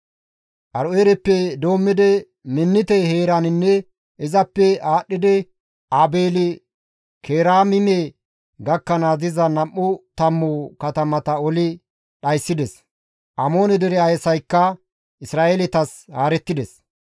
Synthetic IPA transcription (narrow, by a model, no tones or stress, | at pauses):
ʔɐɾeːɾɛpːɛd̪o̞ːmːɪd̪ɛ | mɪnːɪt̪ɛheːɾanɪnːɛ | ɪzɐpːɛaːɗːɪd̪ɛ | ʔaːbeːlɪ | kʰeːɾaːmɪmɛ | ɡɐkːɐnaːzɪzɐnɐmːʊt̪ɐmːʊkɐt̪ɐmɐt̪ɐɔlɪ | ɗɐjsːɪd̪ɛs | ʔɐmo̞ːnɛd̪ɛɾɛɐjsɐjkːɐ | ʔɪsɾaːʔeːlɪt̪ɐshaːɾɛt̪ːɪd̪ɛs